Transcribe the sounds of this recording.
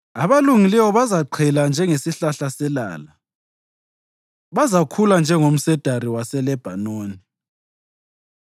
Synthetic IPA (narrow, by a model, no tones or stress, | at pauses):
aβaluŋilɛwɔβazaǃʰɛland͡ʒʱɛŋesiɬaɬasɛla̰ːla | βazakʰuland͡ʒʱɛŋom̩sɛd̥ʱariwasɛlɛb̥ʱa̰noːni